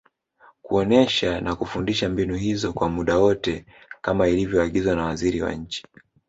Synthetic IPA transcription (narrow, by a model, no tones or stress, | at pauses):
kuɔnɛʃanakufundiʃambinuhizɔkwamuɗawɔtɛ | kamailivjɔaɠizwanawaziɾiwa̰ɲ̩t͡ʃi̥